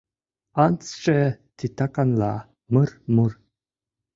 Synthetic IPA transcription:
ant͡sʈ͡ʂɛ | t̪ʰit̪akanla̰ | mərmur

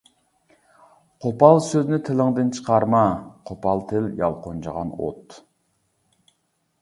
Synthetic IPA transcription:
qʰopɑlˠsøznɪt̪ʰɪlɪŋd̪ɨnt͡ʃʰə̥qʰɑɾmɑqʰopɑlˠt̪ʰɪljɑ̰lˠqont͡ʃʰəʁɑ̰no̰t̪

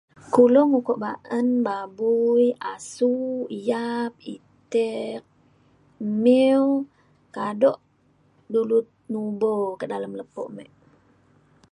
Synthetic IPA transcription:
kulɔŋukɔʔbaʔənbabujasujap̚ḭt̪ɛk̚ | miw | kadɔʔ | dulut̪̚nubokədaləmləpɔ̰ʔmɛʔ

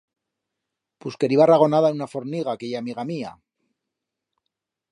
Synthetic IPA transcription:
puskeɾiβaraɣo̞naðaenunafo̞ɾniɣakeʝaːmiɣamia̰

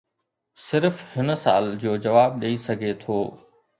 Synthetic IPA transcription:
sɪɾfhɪnsa̰ːld͡ʑoːd͡ʑɐʋaːb̚ɗeisɐɡʱet̪ʰoː

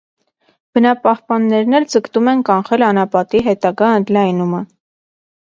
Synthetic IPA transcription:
b̥ənɑpɑhpɑnːɛɾnɛɾd͡zəkt̪umɛnkɑɴχɛlɑnɑpɑt̪iɦɛt̪ɑɡɑənd̪lɑjnumə

